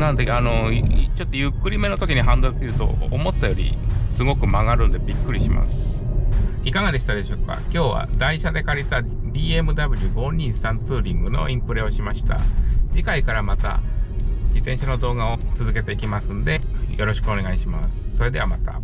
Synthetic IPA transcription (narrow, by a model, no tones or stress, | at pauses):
nanod̪eano̞t͡ɕo̞t̪ːojɯkːɯ̟ɾʲime̞no̞t̪o̞kʲiɲ̟iɦãnd̪okiɾɯ̟t̪o̰omo̞t̪ːajo̞ɾʲḭsɨɡo̞kɯ̟maɡaɾɯ̟nd̪e̞bʲikːɯ̟ɾʲiɕima̰sɨ̥ | ikaɡad̪e̞ɕi̥t̪ad̪e̞ɕo̞ːka̰kʲo̞ːβa̰d̪aiɕad̪e̞kaɾʲit̪a | dʲiːe̞mɯ̟d̪abɯ̟ɾʲiɡo̞ːɲ̟ʲĩsãnt͡sɨːɾʲĩŋɡɯno̞̰ʔĩmpɯ̟ɾe̞o̞ɕimaɕi̥t̪a̰d͡ʑikaikaɾamat̪a̰ | d͡ʑit̪ẽ̞ɰ̃ɕano̞d̪o̞ːɡao̞t͡sɨzɨke̞t̪e̞ikʲimasɨnod̪e̞jo̞ɾo̞ɕi̥kɯ̟o̞ne̞ɡaiɕimasɨ̥so̞ɾe̞d̪e̞amat̪a̰